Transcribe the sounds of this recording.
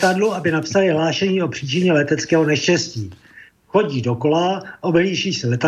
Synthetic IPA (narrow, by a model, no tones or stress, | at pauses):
t̪adluʔabɪnapsalɪɦlaːʃɛɲiːo̞pr̝̥iːt͡ʃɪɲɛlɛt̪ɛt͡skɛːɦonɛʃcɛsciː | xo̞ɟiːdo̞ko̞laʔo̞bliːʃiːsɛlɛt̪a